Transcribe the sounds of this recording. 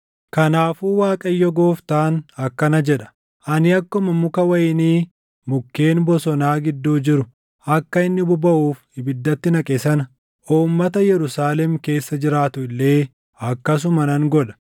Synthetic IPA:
kɐnaːfuːwaːkʼɐjːɔɡoːft̪aːnɐkːɐnɐd͡ʒɛᶑɐ̥ | ʔɐnɪɐkːɔmɐmʊkɐwɐjɪniː | mʊkːe̞ːnbɔsɔnaːɡɪd̪ːuːd͡ʒɪɾʊ | ʔɐkːɐɪnːɪbʊbɐʔuːfhɪbɪd̪ːɐt̪ːɪnɐkʼesɐnɐ | ʔuːmːɐt̪ɐjɛɾʊsaːlɛmke̞ːsːɐd͡ʒɪɾaːt̪ʊɪlːe̞ː | ɐkːɐs̬ʊmɐnɐŋɡɔᶑɐ̥

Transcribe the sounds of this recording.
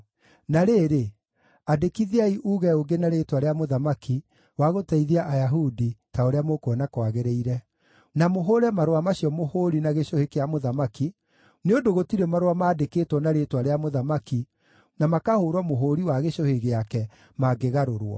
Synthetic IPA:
naɾeːɾe | adekiðiaiʔuɣɛoɡenaɾeːtwaɾeamoðamaki | waɣotaiðiaʔajaɦuditaoɾeamokwɔnakwaɣeɾeiɾɛ | namoɦoɾɛmaɾwamaɕiɔmohoɾinaɣeʃohekeamoðamaki | neodoɣotiɾɛmaɾwamaːdekeːtwɔnaɾetwaɾeamoðamaki | namakahoːɾwɔmoɦoɾiwaɣeɕoheɣeakɛ | maɡeɣaɾoɾwɔ̰

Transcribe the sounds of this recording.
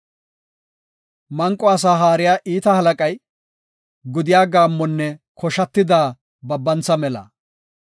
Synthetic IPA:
mɐŋkʼːɔɐs̬aːɦaːɾɪjaːʔiːt̪ɐhɐlɐkʼɐj | ɡʊd̪ɪjaːɡaːmːɔnːɛkʰɔʃɐt̪ːɪd̪aː | bɐbːɐnt͡sːɐmɛlɐ̰

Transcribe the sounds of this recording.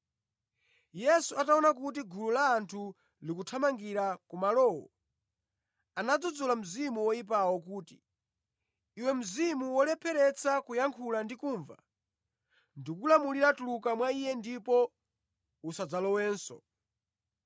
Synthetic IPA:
jɛsuataɔnakut̬iɡululaːntʰu | likutʰamaŋɡiɾakumalɔːwɔ̰ | anad͡zud͡zulam̩zimuwɔip̬awɔk̬uːti̥ | wɛm̩zimuwɔlɛpʰɛɾɛt͡sʰakujaŋkʰulandikuːɱva̰ | ndikulamuliɾatulukamwaijɛndipɔ | usad͡zalɔwɛːnsɔ̰

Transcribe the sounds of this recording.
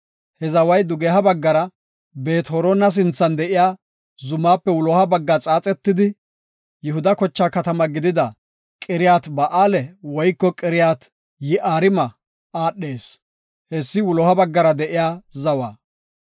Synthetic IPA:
hɛzɐwɐjd̪ʊɡeɦɐbɐɡːɐɾɐ | be̞ːt̪hɔɾɔnɐs̬ɪnt͡sːɐnd̪ɛʔɪjaː | zʊmːaːpːɛwʊlɔhɐbɐɡːat͡sʼaːt͡sʼɛt̪ːɪd̪ɪ | jɛhʊd̪ɐkɔt͡ʃːaːkɐt̪ɐmɐɡɪd̪ɪd̪ɐ | kʼɪɾɪjaːt̪bɐʔaːlɛwɔjkːɔkʼɪɾɪjaːt̪ | jɪʔaːɾɪmɐ | aːɗːe̞ːs | hɛsːɪwʊlɔhɐbɐɡːɐɾɐd̪ɛʔɪjaːzɐwa̰ː

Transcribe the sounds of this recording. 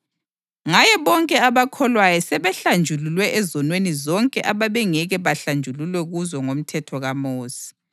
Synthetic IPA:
ŋajɛβɔŋkʼɛaβakʰɔlwajɔsɛβɛɬand͡ʒʱululwɛʔɛzɔnwenizɔŋkʼɛʔaβaβɛŋɛɣɛβaɬand͡ʒʱululwɛɣuzɔŋom̩tʰɛtʰɔɣamoːsi̥

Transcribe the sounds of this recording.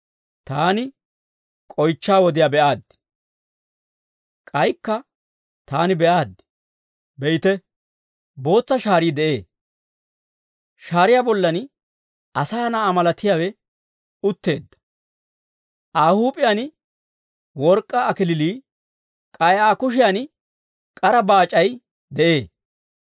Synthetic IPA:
t̪aːnɪ | kʼɔjt͡ʃːaːwɔd̪ɪjabɛʔaːd̪ːɪ | kʼɐjkːɐ | t̪aːnɪbɛʔaːd̪ː | bɛjɪt̪ɛ | bo̞ːt͡sːɐʃaːɾiːd̪ɛʔe̞ː | ʃaːɾɪjaːbɔlːɐn | ʔɐsaːnaːmɐlɐt̪ːɪjaːwɛ | ʊt̪ːe̞̰ːd̪ːɐ̥ | ʔaːhuːpʼɪjanɪ | wɔɾkʼːɐːkɪlɪliː | kʼɐjaːkʊʃ̬ɪjan | kʼɐɾɐbaːt͡ʃʼɐj | d̪ɛʔe̞ː

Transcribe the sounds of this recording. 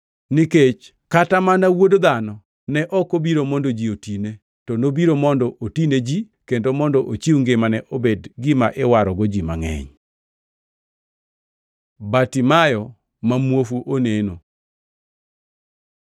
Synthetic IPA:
niket͡ʃ | katamanawodod̪anɔ | nɛʔɔkobiɾomɔndod͡ʒiotine | tɔnobiɾomɔndɔʔotined͡ʒi | kendomɔndɔʔot͡ʃiuŋɡemanɛʔobedɡɪmaʔɪwaɾɔɡod͡ʒimaŋɛ̰ɲ | batimajɔ | mamwofuʔoneno

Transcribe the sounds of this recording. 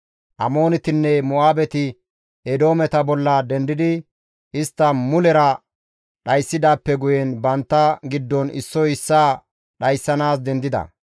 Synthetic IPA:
ʔɐmo̞ːnɪt̪ɪnːɛmɔaːbɛt̪ɪ | ɛd̪o̞ːmɛt̪ɐbɔlːɐd̪ɛnd̪ɪd̪ɪ | ʔɪst̪ːɐmʊlɛɾɐ | ɗɐjsːɪd̪aːpːɛɡʊjɛnbɐnt̪ːɐɡɪd̪ːɔnɪ̰sːɔɪsːaː | ɗɐjsːɐnaːsd̪ɛnd̪ɪd̪ɐ̰

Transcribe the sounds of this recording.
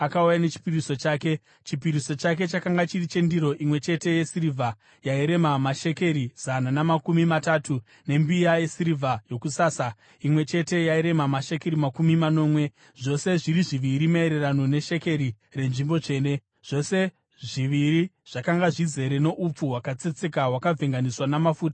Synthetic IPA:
akaujane̞t͡ʃi̥piriso̞t͡ʃaːke̞ | t͡ʃipiɾiso̞t͡ʃak̬e̞t͡ʃakaŋɡat͡ʃirit͡ʃe̞ndiɾo̞ʔimwe̞t͡ʃe̞te̞jesirivʱa | jaiɾe̞mamaʃe̞ke̞ɾiz̥ananamakumimataːtʰu | ne̞mbijaje̞siɾivʱajo̞kusaːsa | imwe̞t͡ʃe̞te̞jaiɾe̞mamaʃe̞ke̞ɾimakumimano̞ːmwe̞ | ʐ̥o̞se̞ʐiɾiʐiʋiɾimaeɾe̞rano̞ne̞ʃe̞ke̞ɾi | re̞nʐimbo̞t͡ʂe̞ːne̞ | ʐ̥o̞se̞ | ʐiʋiɾiʐ̥akaŋɡaʐize̞ɾe̞no̞ʔup͡fuwakat͡set͡se̞kawakab͡ve̞ŋɡaniswanamafuːta

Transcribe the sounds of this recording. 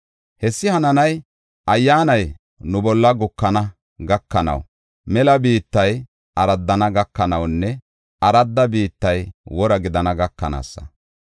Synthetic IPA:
hɛsːɪhɐnɐnɐj | ɐjːaːnɐj | nʊbɔlːɐɡʊkːɐnɐ | ɡɐkːɐnɐ̰w | mɛlɐbiːt̪ːɐj | ʔɐɾɐd̪ːɐnɐɡɐkːɐnɐwnːɛ | ɐɾɐd̪ːɐbiːt̪ːɐjwɔɾɐɡɪd̪ɐnɐɡɐkːɐna̰ːsːɐ̥̰

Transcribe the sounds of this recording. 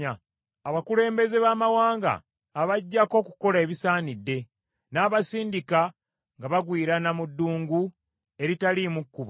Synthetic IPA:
a | aβakule̞ːmbe̞ze̞βamawaːŋɡa̰ː | βaɟːako̞ːku̥ko̞le̞βisaːnidːe̞ | naːβasiːndika | ŋɡaβaɡwiːɾanamudːuːŋɡu | e̞ɾitalimukːuβa

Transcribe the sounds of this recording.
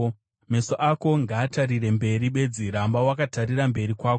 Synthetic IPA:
me̞soʔako̞ŋɡaːtaɾire̞mbe̞ɾiɓe̞d͡ziɾambawakataɾirambe̞ɾikwaːko

